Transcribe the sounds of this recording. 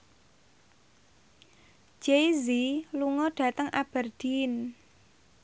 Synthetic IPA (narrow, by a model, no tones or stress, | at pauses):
d͡ʒ̥eziluŋɔɖ̥ä̤t̪əŋʔab̥ərd̥in